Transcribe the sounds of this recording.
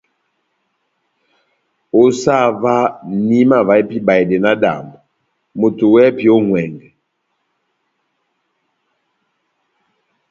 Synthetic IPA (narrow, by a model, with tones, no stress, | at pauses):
o˦sa˦˨va˦ni˦ma˦˨va˨˦e˦pi˦ba˨e˨dɛ˨na˦da̰˨mbo˨ | mo˨to˨wɛ˦pi˨o˦ŋwɛ˨ŋɡɛ˨